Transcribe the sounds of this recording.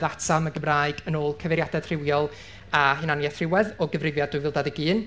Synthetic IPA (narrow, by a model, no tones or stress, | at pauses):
ðatʰaməɡəmraːɨɡənoːlˠkʰəvɛɾjadɛð̥r̥ɪwjɔlˠ | aɦɪnanjɛθrɪwɛðɔɡəvrɪvjadʊjvɪlˠdaðiɡɨːn